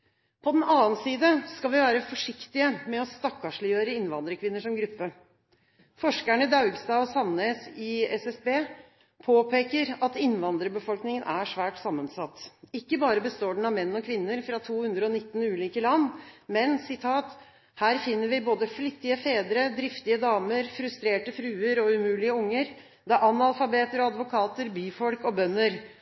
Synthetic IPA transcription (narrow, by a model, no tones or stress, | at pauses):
pʰɔd̪ɛnɑːənsiːd̪əskɑlʋɪʋæːɾəfɔʂɪkt̪ɪəmɛɔst̪ɑkːɑʂɭɪjøːɾəɪnʋɑnd̪ɾəkʰʋɪnːəʂɔmɡɾʉpːə | fɔʂkæɳəd̪ɑʉɡst̪ɑːɔsɑnːeːsɪɛsɛsbeː | pʰoːpʰeːkəɾɑt̪ɪnʋɑnd̪ɾəbəfɔlknɪŋənʔæʂʋæːʈsɑmːənsɑt̪ːɪkːəbɑːɾəbəst̪oːɖɳ̩ɑʋmɛnːɔkʰʋɪnːəɾfɾɑt̪ʰuːhʉnd̪ɾəɔnɪt̪ːn̩ʉːliːkəlɑnːmɛnsɪt̪ʰɑːt̪ | hæːɾfɪnːəɾʋɪboːd̪əflɪt̪ːɪəfeːd̪ɾəd̪ɾɪft̪ɪəd̪ɑːməɾfɾʉst̪ɾeːʈəfɾʉːəɾɔʉmʉːlɪəʊŋːəɾ | d̪æɾʔɑnɑlfɑbeːt̪əɾɔɑd̪ʋʊkʰɑːt̪əɾbyːfɔlkɔbœnːəɾ